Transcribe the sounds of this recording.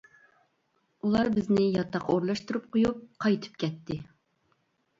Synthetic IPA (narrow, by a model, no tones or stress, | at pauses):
ulˠɑɾbɪznɪjɑt̪ːɑqʰoɾlˠɑʃt̪uɾup̚qʰojup̚qʰɑjt̪ʰɨ̥p̚kʲɛt̪ːɪ